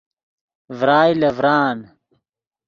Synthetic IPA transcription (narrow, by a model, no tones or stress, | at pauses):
vɾaːjlɐvɾaːn